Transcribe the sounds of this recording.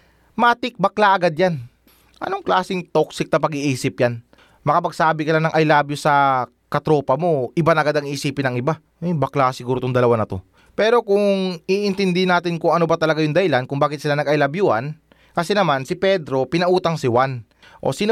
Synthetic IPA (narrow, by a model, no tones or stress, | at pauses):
maːt̪ɪk̚bɐklaʔɐɡad̪̚jan | ʔɐ̰no̞ŋklaːsɪŋt̪o̞k̚sɪk̚nɐpɐɡiʔiːsɪp̚jan | mɐkɐpɐɡsaːbɪkɐlanɐŋʔɐjlaːbjosɐ | kɐt̪ɾo̞ːpɐmo̞ʔɪbanɐɡad̪ɐŋiːsiːpɪnɐŋɪba | ɛbɐklaksɪɡuːɾot̪ʊŋd̪ɐlɐwanɐt̪o̞ | pɛːɾo̞kʊŋiʔɪnt̪ɪnd̪ɪhnaːt̪ɪnkʊŋɐno̞bɐt̪ɐlɐɡajʊŋd̪ɐɪlankʊŋbaːkɪt̪sɪlanɐɡɐjlabjuhan | kɐsɛnɐmansɪpɛd̪ɾo̞pɪnɐʔuːt̪ɐŋsɪwan | ʔo̞̰sɪn